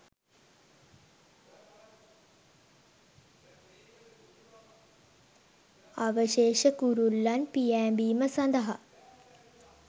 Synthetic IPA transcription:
aʋəʃeːʃəkuɾulːanpijæːmbiːməsand̪əɦa̰

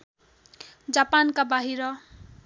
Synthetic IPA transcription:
d͡zapankabaɦiɾʌ

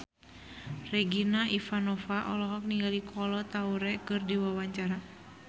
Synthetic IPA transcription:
rɛɡinaʔifanɔfaʔɔlɔɦɔk̚niŋɡalikʰɔlɔt̪auɾɛkɨrdiwawaɲt͡ʃaɾa

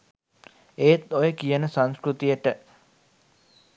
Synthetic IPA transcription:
eːt̪ojəkijənəsanskɾut̪ijəʈə

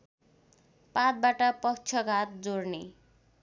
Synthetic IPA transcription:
pat̪̚baʈʌpʌk̚t͡sʰʌɡʱat̪̚d͡zorne

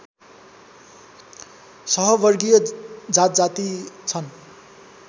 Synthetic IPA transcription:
sʌɦʌbʌrɡijʌd͡zat̪̚d͡zat̪it͡sʰʌn

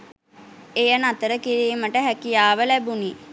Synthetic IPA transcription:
ejənat̪əɾəkiɾiːməʈəɦækijaːʋəlæbuni

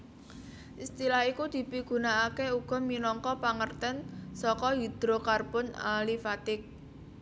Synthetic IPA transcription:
ʔist̪ilahikud̪̥i̤piɡ̥ṳnaːkeuɡ̥ɔ̤minɔŋkɔpaŋərt̪ɛnsɔkɔɦid̪̥ɾokarbʊna̰lifat̪ɪk̚

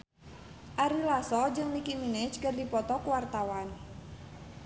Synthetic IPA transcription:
ʔaɾilasɔd͡ʒɨŋnikimine̥t͡ʃkərdipɔt̪ɔkuwart̪awan

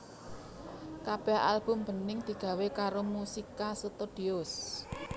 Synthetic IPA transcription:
kab̥ɛha̰lb̥ʊ̤mb̥ə̤nɪŋd̪̥i̤ɡ̥a̤wekaɾomusikasət̪oɖ̥iʊs

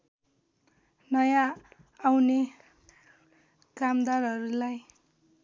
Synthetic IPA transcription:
nʌjãː | wne | kamd̪arɦʌɾulaj

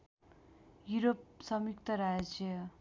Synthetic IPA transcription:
juɾop̚sʌmikt̪ʌɾad͡zjʌ

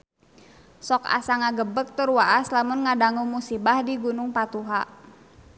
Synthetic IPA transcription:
sɔka̰saŋaɡəbək̚t̪urwaʔaslamʊnŋadaŋumusibahdiɡunʊŋpat̪uɦa

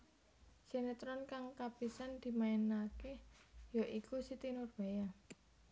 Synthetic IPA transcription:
senet̪ɾɔnkaŋkapisand̪̥i̤maɛnakejoʔikusit̪inʊrb̥aja

